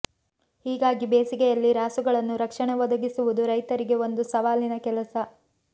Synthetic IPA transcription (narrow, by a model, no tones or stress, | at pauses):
hiːɡaːɡibeːsiɡɛjɐlːiɾaːsuɡɐɭɐnːuɾɐkʂɐɳɛʋɐd̪ɐɡisuʋud̪uɾɐjt̪ɐɾiɡe̞o̞nd̪usɐʋaːlinɐkɛlɐsɐ